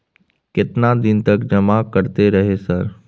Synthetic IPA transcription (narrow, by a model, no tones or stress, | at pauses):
kɪt̪nad̪ɪnt̪əkd͡ʒɐmakəɾt̪eɾɐɦesəɾ